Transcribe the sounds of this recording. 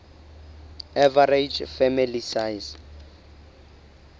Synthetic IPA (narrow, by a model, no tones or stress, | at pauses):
ɛvaɾed͡ʒfɛmilisajz